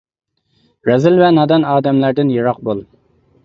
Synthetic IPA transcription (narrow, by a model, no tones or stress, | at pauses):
ɾɛzɪlvɛnɑd̪ɑnɑːd̪ɛmlæɾd̪ɪnjeɾɑq̚bolˠ